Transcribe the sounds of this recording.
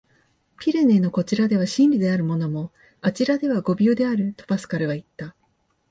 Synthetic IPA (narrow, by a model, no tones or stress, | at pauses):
pʲiɾe̞ne̞no̞ko̞t͡ɕiɾad̪e̞β̞aɕĩnɾʲid̪e̞aɾɯ̟mo̞no̞mo̞ | at͡ɕiɾad̪e̞β̞aɡo̞bʲoːd̪e̞aɾɯ̟t̪o̞̥basɨ̥kaɾɯ̟βait̪ːa